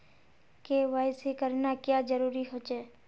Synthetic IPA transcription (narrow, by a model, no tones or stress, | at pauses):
keʋaɪsekəɾnakjad͡ʒəɾuːɾiɦot͡ʃɛː